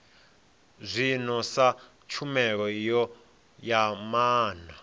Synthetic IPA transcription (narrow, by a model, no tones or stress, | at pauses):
zʷinɔsa | t͡ʃʰumɛɺɔjɔ | jamaːna